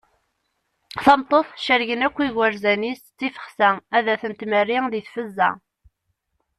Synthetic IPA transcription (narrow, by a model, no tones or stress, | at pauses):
θɑmt̪ˤːoθˤʃəɾʝənækʷːiɣwəɾzænist͡sːifə̥χsææðæθənt̪mərːiŋðiθfəzːæ̰